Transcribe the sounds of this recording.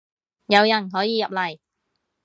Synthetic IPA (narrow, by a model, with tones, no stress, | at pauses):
jɐ˨˧wjɐ˨˩nɦɔː˨˥jiː˨˧jɐ˨p̚lɐ˨˩j